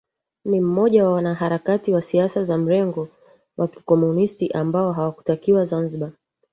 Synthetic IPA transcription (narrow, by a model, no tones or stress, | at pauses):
nim̩mɔʄawawanaɦaɾakatiwasiasazam̩ɾɛŋɡɔ | wʔaki̥kɔmunistiʔambaɔɦawaku̥takiwazanziɓa